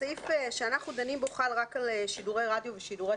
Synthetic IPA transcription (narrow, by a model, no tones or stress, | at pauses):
ifeʃeanaχnud̪animboχalʁakaleʃiduʁejʁadjoveʃiduʁe